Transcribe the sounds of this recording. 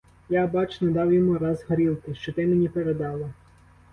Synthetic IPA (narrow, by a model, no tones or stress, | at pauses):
jabɑt͡ʃnɔd̪ɑwjɔmuɾɑzɦɔɾʲilˠkɪʃt͡ʃɔt̪ɪmenʲipeɾed̪ɑlˠɐ